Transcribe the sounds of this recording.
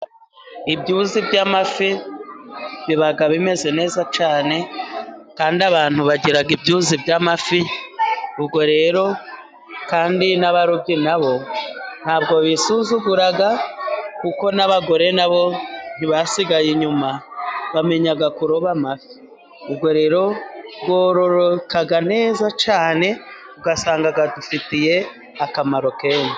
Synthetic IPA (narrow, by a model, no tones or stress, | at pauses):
ibɟuzibɟamafi | βiβaɡaβime̞ze̞ne̞ːzat͡ʃaːne̞kaːndiaβaːn̥huβaɟiɾaɡibɟuzibɟamafi | ubɡo̞ɾe̞ːɾo̞ | kaːndinaβaɾubɟinaβo̞n̥haːbɡo̞βisuzuɡuɾaɡakuko̞naβaɡo̞ɾe̞naβo̞n̥iβasiɡajiɲumaβame̞ɲaɡakuɾoβamafi̥ | ubɡo̞ɾe̞ːɾo̞bɡoɾo̞ɾokaɡane̞ːzat͡ʃaːne̞ubɡasaːŋɡaɡadufitije̞ | akamaɾo̞keːna